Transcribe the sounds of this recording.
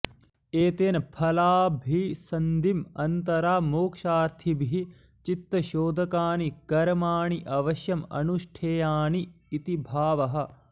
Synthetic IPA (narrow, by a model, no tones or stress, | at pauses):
eːt̪eːnɐpʰɐlaːbʱisɐnd̪imɐnt̪ɐɾaːmoːkʃaːɾt̪ʰibiɦi | t͡ʃit̪ːɐʃoːd̪ʱɐkaːnikɐɾɐmaːɳiʔɐʋɐʃjɐmɐ̰nuʃʈʰeːjaːɳiː | t̪ibʱaːʋɐɦɐ̆